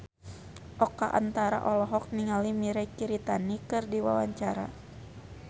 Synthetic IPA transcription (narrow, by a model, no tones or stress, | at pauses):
ʔɔkaʔa̰nt̪aɾa̰ʔɔlɔɦɔk̚niŋalimiɾɛkiɾit̪anikɨrdiwa̰waɲt͡ʃaɾa̰